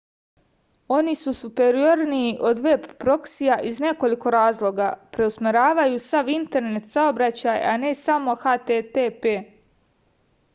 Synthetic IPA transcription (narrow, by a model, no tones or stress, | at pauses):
o̞nisusupe̞ɾioɾniːʔo̞d̪ʋe̞bpɾo̞ksijaʔizne̞ko̞liko̞ɾaːzlˠo̞ɡapɾe̞usmeɾaːʋajusaʋint̪e̞ɾnet̪saobɾat͡ɕaja̰ne̞samo̞xat̪et̪epe